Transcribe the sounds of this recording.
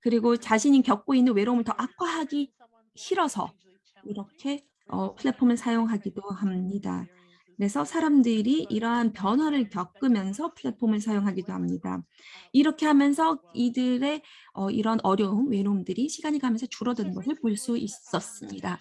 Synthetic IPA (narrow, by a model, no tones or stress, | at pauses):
kɯɾiɡot͡ɕaɕʰiɲikjʌk̚k͈oinːɯnwe̞ɾoumɯɭtʌʔakʰaɦaɡi | çiɾʌsʰʌ̰ | iɾʌkʰe̞ | ʌpʰɯɭːepʰomɯɭsʰajoŋɦaɡidohamɲida̰ | kɯɾe̞sʰʌsʰaɾamdɯɾiʔiɾʌɦanpjʌnwaɾɯɭkjʌk͈̚ɯmjʌnsʰʌpʰɯɭːe̞pʰomɯɭsʰajoŋɦaɡidohamɲida̰ | iɾʌkʰe̞ɦhamjʌnsʰʌidɯɾe̞ʌiɾʌnʌɾjʌumwe̞ɾoumdɯɾiɕʰiɡaɲiɡaɦamjʌnsʰʌt͡ɕuɾʌdɯnɯnɡʌsʰɯɭpoɭs͈uis͈ʌs͈ɯmɲida